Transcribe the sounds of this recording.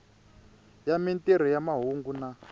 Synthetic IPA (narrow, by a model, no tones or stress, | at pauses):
jamintʼeɾ̤ɔjamaɦuŋɡuna